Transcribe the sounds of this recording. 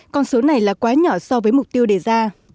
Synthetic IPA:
kɔ˧nso˨˦na˨˩jlaː˨˩kwaː˨˦ɲɔ˧˩sɔ˧vəː˨˦jmʊ˨˩k͡p̚t̪i˧əwɗe˧˩zaː˧

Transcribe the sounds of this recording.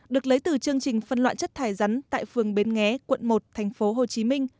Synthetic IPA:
ɗɨ˨˩ək̚lə˨˦jt̪ɨ˨˩t͡ɕɨ˧əŋt͡ɕï˨˩ŋ̟fə˧nlwa̰ː˧˨nt͡ɕə˦˥t̚t̪ʰaː˧˩jza˨˦nt̪a̰ː˧˨jfɨ˨˩əŋɓe˨˦nŋɛ˨˦kwə̰˧˨nmo˨˩t̚t̪ʰɛ˨˩jŋ̟fo˨˦ɦo˨˩t͡ɕi˨˦mï˧ŋ̟

